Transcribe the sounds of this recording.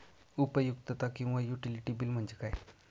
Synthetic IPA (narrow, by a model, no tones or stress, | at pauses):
upəjukt̪ət̪akĩw̃ʋajuʈiliʈibiːlm̤əɳd͡ʑekaj